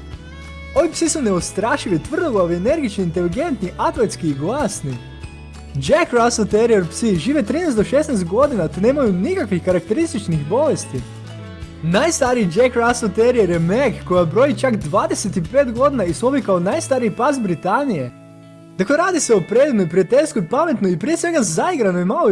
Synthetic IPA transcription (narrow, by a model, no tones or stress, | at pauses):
o̞ʋipsisune̞ost̪ɾaːʃiʋit̪ʋr̩d̪laʋiene̞ɾɡit͡ʃnoint̪e̞liɡe̞nt̪niʔat̪let̪skiːɡlˠaːsni | d͡ʒekɾasot̪eɾieɾpsiʒiːʋet̪ɾiːnejst̪d̪o̞ʃesnɛst̪ɡo̞d̪inat̪ene̞ːmajunikakʋixkaɾak̚t̪e̞ɾist̪it͡ʃnixbo̞ʋest̪i | najst̪aɾiid͡ʒekɾaslt̪eɾieɾjemekːojabɾo̞jit͡ʃakd̪ʋaːd̪e̞set̪ipeːt̪ɡo̞d̪inaisuobjikaonajst̪aːɾiipazbɾit̪anije̞ | d̪̥akleɾaːd̪iseopɾe̞d̪ib̪noipɾijat̪eʎʲskoipame̞t̪noipɾiesʋe̞ɡazaiɡɾanoimalo